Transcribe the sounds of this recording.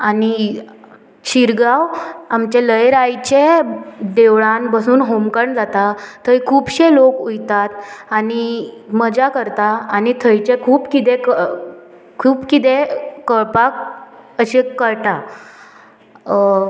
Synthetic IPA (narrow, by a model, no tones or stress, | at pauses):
ani | ɕiɾɡawamt͡ɕeləjɾajt͡ɕed̪eʋɭanbəsuːnɦomkəɳd͡zat̪at̪ʰːəjkʰuːbɕelokujt̪at̪̚animəd͡ʑakəɾt̪aːnit̪ʰəjt͡ɕekʰuːbkit̪ek | kʰuːbkit̪̬ekəɭpak̚əɕekəɾʈa